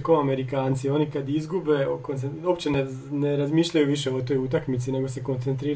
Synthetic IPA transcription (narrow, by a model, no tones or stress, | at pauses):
koame̞ɾikaːnt̪sio̞nikad̪izɡube̞kont̪eo̞pt͡ɕene | neɾazmiːʃʎajuʋiʃe̞o̞t̪o̞jut̪akmit̪sine̞ɡo̞se̞kont̪sent̪ɾiː